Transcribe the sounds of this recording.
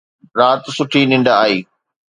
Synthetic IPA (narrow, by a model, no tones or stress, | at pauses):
ɾaːt̪sʊʈʰinɪ̃ɳɖaaːiː